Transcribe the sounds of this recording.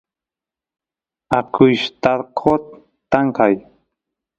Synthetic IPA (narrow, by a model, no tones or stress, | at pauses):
akʰʊjʃt̪aɾqʰot̪ː | aŋkaj